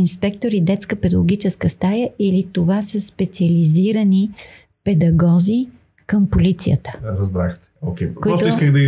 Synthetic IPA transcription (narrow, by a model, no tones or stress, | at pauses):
inspɛk̚t̪oɾid̪ɛt̪skəpɛd̪əɡoɡ̟ʲit͡ʃɛskəst̪ajəʔilit̪ovasəspɛt̪siɐliziɾəni | pɛd̪ɐɡɔzi | kəmpolit̪sḭjə̰t̪ə̥ɾəzbɾaxt̪ | okʲɛkoiɔst̪ʊiskəɣd̪ɐ